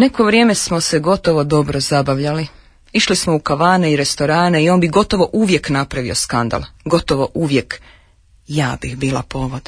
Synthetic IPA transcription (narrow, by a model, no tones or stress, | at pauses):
ne̞ko̞ʋɾjeːme̞smo̞se̞ɡo̞t̪o̞ʋo̞d̪o̞bɾo̞zabaʋʎali | iʃlismo̞ukaʋaːne̞iɾe̞st̪o̞ɾaːne̞io̞ːnbiɡo̞t̪o̞ʋo̞ʔuʋje̞knapɾaʋio̞skand̪a̰lˠɡo̞t̪o̞ʋo̞ʔuʋje̞k | jaːbixbiːlapo̞ːʋod̪̥